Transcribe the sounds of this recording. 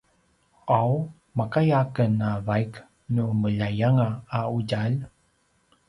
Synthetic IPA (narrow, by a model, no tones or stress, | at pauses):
ʔaw | makajakənavajk | numəʎajaŋaːuɟal